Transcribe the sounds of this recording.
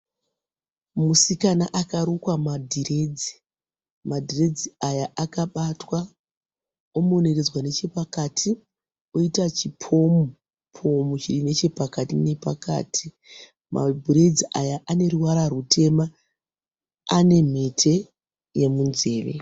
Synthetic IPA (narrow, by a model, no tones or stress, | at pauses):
musikanaʔakaɾukwamadʱiɾe̞d͡zi̥ | madʱire̞d͡ziajaakaɓatwa | omone̞red͡zwane̞t͡ʃe̞pakatʰi | oitat͡ʃipʰo̞mu | pʰo̞mut͡ʃirine̞t͡ʃe̞pakatine̞pa̰ka̰ːtʰi | mʔa̰bʱiɾe̞d͡ziʔajaʔane̞ɾuwaɾarutʰe̞ma | ane̞m̤etʰe̞ | je̞munze̞ːʋe̞̰